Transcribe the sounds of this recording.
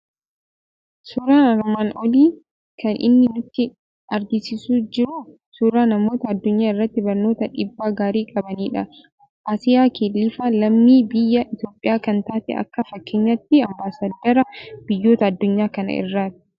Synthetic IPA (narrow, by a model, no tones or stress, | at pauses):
suːɾaːnɐɾmaːnʔɔliː | kɐnʔɪ̰nːɪnʊt̪ːɪ | ʔɐɾɡɪsɪsuːd͡ʒɪɾu | suːɾaːnɐmo̞ːt̪ɐːd̪ːʊɲːaːɪrːɐt̪ːɪbɐɾno̞ːt̪ɐᶑɪbːaːɡaːɾiːkʼɐbɐniːᶑɐ | ʔaːsɪjaːkeːlːɪfaːlɐmniːbɪjːɐʔɪt̪o̞ːpʼːɪjaːkɐnt̪aːt̪ɛ̰ʔɐ̰kːɐfɐkːeːɲːɐt̪ːɪɐmbaːsaːd̪ːɐɾɐb̥ɪjːo̞ːt̪ɐːd̪ːʊɲːaːkɐnɐ̰ɪ̰rːaːt̪ɐ̥